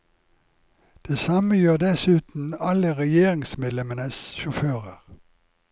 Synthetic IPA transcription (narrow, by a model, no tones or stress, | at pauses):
d̪̥eːsɑməjøːd̪ɛsʉːt̪n̩ɑləʁɛjeːʁɪŋsmeːd̪lɛmənəsʃʊføːʁəʁ